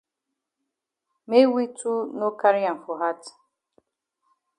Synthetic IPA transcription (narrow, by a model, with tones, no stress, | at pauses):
me˦wi˦tʰu˦no˦ka˦ɾi˦a˨n˨fo˨ɦa˦t